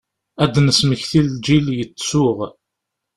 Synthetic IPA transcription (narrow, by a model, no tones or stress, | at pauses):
æd̪nəsməçθild͡ʒiljət͡sːsʊʁ